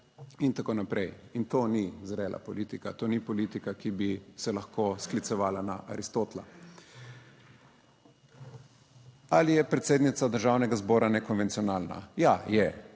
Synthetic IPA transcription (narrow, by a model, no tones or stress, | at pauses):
int̪akoːnapɾɛjint̪oːnizɾɛːlʔa̰pɔliːt̪ikat̪oːnipɔliːt̪ikakibisɛlɐxkoːsklit̪sɛʋaːlana̰ʔa̰ɾist̪oːt̪la̰ | alijɛpɾɛt̪seːd̪nit̪sad̪əɾʒaːwnɛɡazbɔːɾanɛkɔnʋɛnt̪iɔnaːlna̰jajɛ